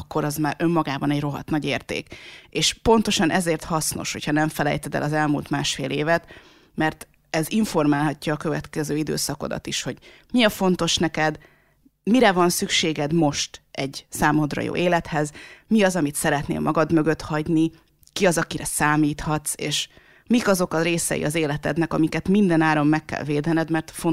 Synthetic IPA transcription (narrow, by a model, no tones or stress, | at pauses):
kːo̞ɾɒzmaːɾʔø̞mːɒɡaːbɒnɛɟro̞ɦɒ̰t̪nɒɟeːrt̪ḛːkeːʃpont̪o̞ʃɒnʔɛzeːrt̪hɒsno̞̰ʃho̞̰cʰhɒnɛɱfɛlɛ̰jt̪ɛd̪ɛ̰lɒzɛlmuːlt̪maːʃfeːleːvɛt̪ | mɛrt̪ | ɛziɱfo̞rmaːlɦɒcːɒːkø̞vɛt̪kɛzøːid̪ø̰ːsɒkod̪ɒ̰t̪iʃho̞ɟ | miɒfo̞nt̪o̞ʃnɛkɛd̪ | miɾɛvɒnsykʃeːɡɛd̪mo̞ʃt̪ɛɟsaːmo̞d̪rɒ̰jo̰ːʔeːlɛt̪hɛzmiɒzɒmit̪sɛɾɛt̪nḛːlmʔɒɡɒd̪mø̞ɡø̞t̪hɒɟni | kiɒzɒkiɾɛsaːmiːt̪hɒt̪seːʃ | mikɒzo̞kɒɾeːsɛ̰ḭʔɒzeːlɛt̪ɛ̰d̪nɛkɒmikɛt̪mind̪ɛnaːɾo̞mːɛkːɛ̰lveːd̪ɛnɛd̪mɛrt̪fo